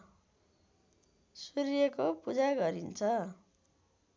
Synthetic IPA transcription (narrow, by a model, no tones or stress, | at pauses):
suɾjekopud͡zaɡʌɾint͡sʰʌ